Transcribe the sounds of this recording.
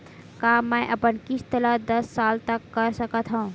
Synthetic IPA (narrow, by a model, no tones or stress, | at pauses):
kaːmːɛ̃ʔɐpənkɪst̪ələd̪ɐsːaːlt̪əkːəɾsəkət̪ɦũũ